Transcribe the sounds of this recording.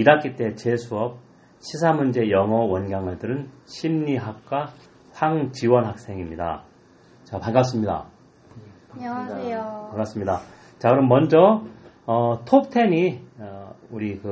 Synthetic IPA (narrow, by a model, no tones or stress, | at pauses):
idak͈it͈e̞t͡ɕesʰuʌp̚ | ɕʰisʰamund͡ʑe̞jʌŋʌwʌnɡjaŋɯɭdɯɾɯnɕʰimɲiɦak̚k͈a | ɸaŋt͡ɕiwʌnɦak̚s͈e̞ŋimɲida̰ | t͡ɕapaŋɡas͈ɯmɲida̰ | paŋɡas͈ɯmɲida | t͡ɕakɯɾʌmːʌnd͡ʑʌ | ʌtʰop̚tʰe̞ni | uɾikɯ